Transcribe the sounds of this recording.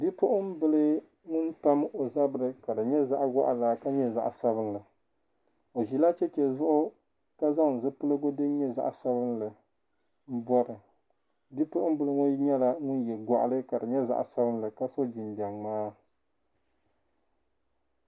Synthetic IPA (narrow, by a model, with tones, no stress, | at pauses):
di˦pʊ˦ʔʊ˦m˦bɨ˦lɨ˦ | ŋʊ˦n˦ta˦mo˨za˦bɨ˨ɾɨ˦ka˨dɨ˨ɲɛ˦za˦ʔɡa̰˦ʔa˨la˨ka˦ɲɛ˦za̰˨ʔsa˦bɨ˦n˦lɨ˨ | o˨ʒi˨la˦t͡ʃɛ˦t͡ʃɛ˨zʊ˦ʔʊ˦ | ka˦za˦ŋ̩˨zɨ˦pɨ˦lɨ˦ɡo˦dɨ˦ɲɛ˦za̰˨ʔsa˦bɨ˦nlɨ˨ | m̩˦bɔ˦ɾɨ˨ | di˦pʊ˦ʔʊ˦m˦bɨ˦lɨ˦ŋʊ˦n˦ɲɛ˦la˦ŋʊ˦njɛ˨lɡʷɔ˨ʔa̰˨lɨ˦ka˨dɨ˨ɲɛ˦za̰˦ʔsa˦bɨ˦n˦lɨ˨ka˦so˦d͡ʒi˨nba˨ŋmaː˦